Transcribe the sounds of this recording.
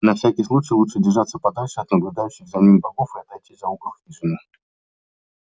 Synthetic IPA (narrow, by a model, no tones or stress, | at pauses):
nɐfsʲækʲɪjslˠut͡ɕɪjlˠutʂɨdʲɪrʐat̪səpɐd̪alʲʂɨɐt̪nəblʲʊd̪ajʏɕːɪxzɐmʲinʲbɐɡofɨɐt̪ɐjt̪ʲizɐukəxʲiʐɨnɨ